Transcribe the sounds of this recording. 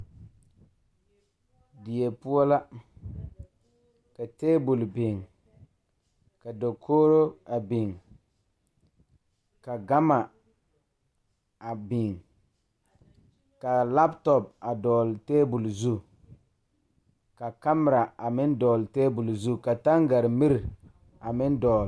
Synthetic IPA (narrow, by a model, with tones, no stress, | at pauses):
dɪ˨je˨pu˦ɔ˦la˦ | ka˨teː˦bu˨lbɪ˨ŋ | ka˨do˨kʰo˦ɾo˦a˨bɪ˨ŋ | ka˨ɡa˦ma˨ | a˨bɪ˨ŋ | ka˨la˦ptɔ˨p̚a˨dɔː˨lteː˦bu˨lzu˦ | ka˨ka˦m˨ɾa˨a˨mɪ˦ndɔː˨lteː˦bu˨lzu˦ka˨ta˦ŋɡa˨ɾmi˦ɾ | a˨mɪ˦n˦dɔː˨l